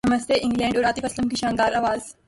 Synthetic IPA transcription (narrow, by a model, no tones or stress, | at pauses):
ɐməst̪ʰeʔɪ̃ŋɡlɛ̃ːɳɖɔːɾaːt̪ifɐsləmkiʃãːnd̪aːɾaːʋaːz